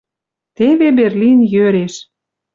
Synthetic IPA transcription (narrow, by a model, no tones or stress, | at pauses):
t̪eβeberlinjøɾeʃ